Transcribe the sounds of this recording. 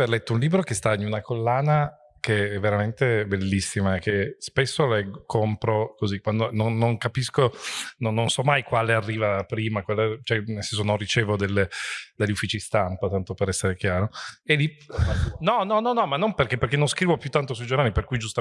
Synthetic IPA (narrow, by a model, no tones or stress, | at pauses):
elɛt̪ːounliːbɾokest̪ainunakolːaːna | keɛvːeɾament̪ebelːisːimakespesːolekʰompɾokozikːwand̪ononːoŋkapiskononːonsɔmːajkwaːlearːiːvapɾiːmakwalːat͡ʃoɛnelsɛns̬onõnrit͡ʃeːvod̪elːed̪eʎːufːiːt͡ʃist̪ampat̪ant̪opeɾɛsːeɾek̟jaːɾoelːi | nɔnɔnːɔnːɔmanːonperkepːerkenːõskɾiːvopjut̪ːant̪osuid͡ʒornaːliperkujd͡ʒust̪a